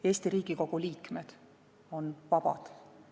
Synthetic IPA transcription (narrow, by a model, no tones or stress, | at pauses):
e̞ːst̪iɾiːɡ̥iko̞ɡ̥uliːkme̞d̪̥ | o̞nvɑb̥ɑ̰d̪̥